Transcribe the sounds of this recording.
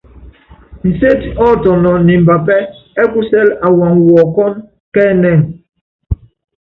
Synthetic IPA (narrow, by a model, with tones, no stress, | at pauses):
n̩˨se˦tɔ˦tɔ˨nɔ˨ni˨m̩˨ba˨pɛ˦ɛ˦ku˦sɛ˦la˨wa˨ŋwɔ˨kɔ˦n | kɛ˦nɛ˦˨ŋ